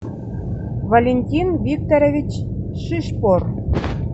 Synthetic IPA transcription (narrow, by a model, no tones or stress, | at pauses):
volʲenʲtʲinvʲik̚t̪oɾevʲit͡ɕ | ʃiʃpor